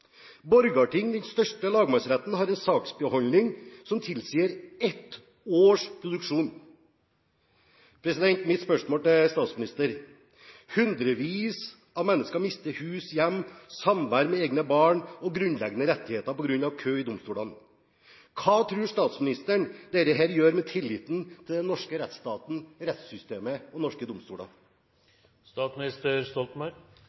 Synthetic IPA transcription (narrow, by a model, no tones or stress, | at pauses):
bɔɾɡɑʈɪŋd̪ɛnst̪œʂʈəlɑːɡmæsɾɛt̪n̩hɑɾɛnsɑːksbəhɔlnɪŋsɔmt̪ʰɪlsiːəɾɛt̪ | oːʂpʰɾʊd̪ʉkʂuːn | pʰɾɛsɪd̪ɛnt̪mɪt̪spœʂmoːlt̪ʰɪlst̪ɑːt̪smɪnɪst̪əɾ | hʉnd̪ɾəʋiːs | ɑʋmɛnːəskɑmɪst̪əhʉːsjɛmːsɑmʋæɾmɛeːɡnəbɑːɳɔɡɾʉnlɛɡənəɾɛt̪ːɪheːt̪ɑpɔɡɾʉnːɑʋkʰøːɪd̪ʊmst̪uːlɑn | kʰɑːt̪ʰɾʉːʂt̪ɑːt̪smɪnɪst̪əɳd̪eːɾəɦæːɾjøːɾmɛt̪ʰɪlːɪt̪n̩t̪ʰɪld̪ɛnːɔʂkəɾɛt̪st̪ɑːt̪n̩ɾɛt̪sʏst̪eːməɔnɔʂkəd̪ʊmst̪ṵːlɑ̰ | st̪ɑːt̪smnɪst̪əɾst̪ɔlt̪mɑ